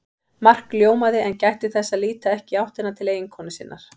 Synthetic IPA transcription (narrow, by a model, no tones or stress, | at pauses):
mar̥kljoːwmaðɪʔɛncajht̪ɪθɛsːaðliːt̪aɛhcɪawht̪ɪnːat̪ʰɪleːjɪŋkʰɔwnɪsɪnːa̰ɾ̥